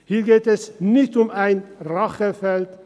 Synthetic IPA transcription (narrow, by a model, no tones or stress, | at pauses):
hiːɐɡeːtɛsnɪçtʊmaɪnʁaχəfɛlt